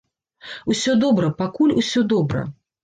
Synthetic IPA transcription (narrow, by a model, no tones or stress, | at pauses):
usʲɔd̪ɔbɾɐpakulʲusʲɔd̪ɔbɾɐ̰